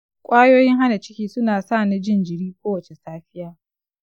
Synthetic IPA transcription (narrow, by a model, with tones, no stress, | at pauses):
kʷʼaː˦joː˦jɪ˦ŋha˦na˨t͡ʃɪ˦kʲiː˦sʊ˦naː˨saː˦˨na˦d͡ʒɪ˦nd͡ʒɪ˨ɽiː˦kʷoː˦wɐ˨t͡ʃe˨saː˦ɸɪ˦jaː˦